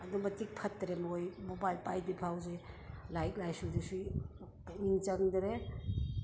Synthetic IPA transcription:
ɐdumɐtik̚pʰɐtːɾemojmobajlpajbipʰawze | lajt̚lajsudisu | niŋt͡ʃɐŋdɾe

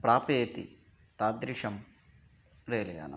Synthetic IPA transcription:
pɾaːpeːt̪ḭ | t̪aːd̪ɾikʂɐm | ɾeːlɐja̰ːnɐ̰

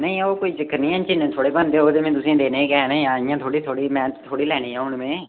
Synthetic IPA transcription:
nəĩːoːkoːiːt͡ʃɪkʰːəɾnĩːə̃nt͡ʃiːnẽːt̪ʰoːɽeːbənd̪eːoːd̪eːmẽːt̪ʊsĩd̪eːnẽːkɛnẽːjãːɪjãːt̪ʰoːɽiːt̪ʰoːɽiːmɛ̃ːt̪ʰoːɽiːlɛːɽ̃ĩːãːʊɳmẽː

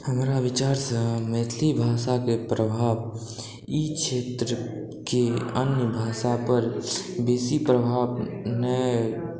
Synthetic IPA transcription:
həmaːɾaʋɪt͡ʃaːɾsə̃mɛːt̪ʰlibʱaːʃakepɾəbʱaːʋ | iʃʰeːt̪ɾə | keənjəbʱaːsapəɾbeːsipɾəbʱaːʋnə

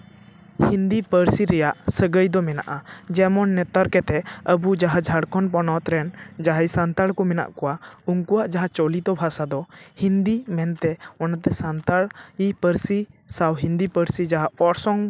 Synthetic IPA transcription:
hind̪ipəɾsiɾɛjaʔsəɡəjd̪ɔmɛna̰ʔad͡ʒɛmɔnːɛt̪aɾkɛt̪ɛəbud͡ʒaɦad͡ʒʱaɽkɔnp̬ɔnɔt̪ɾɛnd͡ʒaɦəjsant̪aɽkɔmɛna̰ʔkɔwauŋkuwaʔd͡ʒaɦat͡ʃɔlit̪ɔbʱasad̪ɔhind̪imɛnt̪ɛɔnat̪ɛsant̪aɽipəɾsisawɦind̪ipəɾsid͡ʒaɦaɔɾsɔŋ

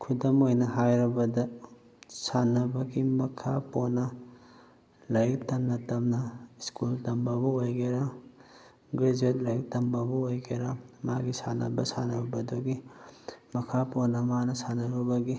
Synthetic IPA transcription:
kʰudɐmojnɐɦajɾɐbɐdɐ | sanɐbɐɡimɐkʰaponɐ | lɐjtɐnnɐtɐmnɐiskultɐmbɐbɐojɡeɾɐ | ɡɾed͡ʒuet̚lɐjk̚tɐmbɐbɐojɡeɾɐmaɡisanɐ̰bɐsanɐbɐduɡi | mɐkʰaponɐmanɐsanɐɾubɐɡi

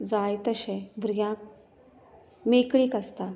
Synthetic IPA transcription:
d͡zajt̪əɕẽbʱɾjãk̚ | mekɭiːkəst̪a

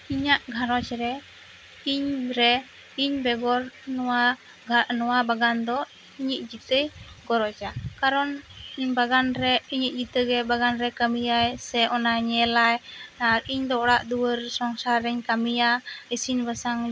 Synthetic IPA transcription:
iɲaʔɡʱaɾɔt͡ʃɾɛ | iɲɾɛ | iɲbɛɡɔɾnɔa | anɔwabaɡand̪ɔ | iɲiʔd͡ʒit̪əjɡɔɾɔt͡ʃakaɾɔniɲbaɡanɾɛiɲiʔd͡ʒit̪əɡɛbaɡanɾɛkamijajsɛʔɔnaɲɛlajnaiɲd̪ɔɔɽaʔd̪uwəɾsɔŋsaɾɛɲkamijaisinbasaŋ

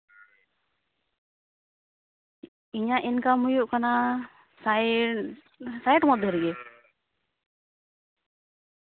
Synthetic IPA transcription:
iɲaʔɛnkamujuʔkana | s | sajʈmɔd̪ʱəɾɡe

